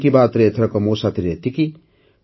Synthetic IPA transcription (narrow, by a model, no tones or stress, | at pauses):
kibaːt̪ɾet̪ʰɾɐkomoːsat̪iɾet̪iki